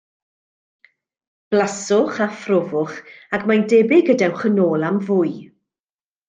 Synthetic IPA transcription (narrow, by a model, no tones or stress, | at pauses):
b̥lasʊχafrɔvʊχakmajndɛbɪɡədawχənoːlˠamvʊːj